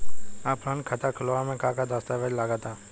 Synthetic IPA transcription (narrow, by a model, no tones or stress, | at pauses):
ãːpɾãːnkʰət̪aːkʰəloːãmẽːkaːkad̪aːst̪aːʋəd͡ʒlaːɡaːt̪aː